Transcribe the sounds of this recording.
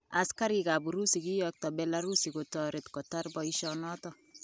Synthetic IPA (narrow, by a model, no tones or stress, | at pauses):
askaɾikabuɾusikijɔk̚tɔbɛlaɾusikotɔɾetkɔtarbɔiʃɔnɔtɔ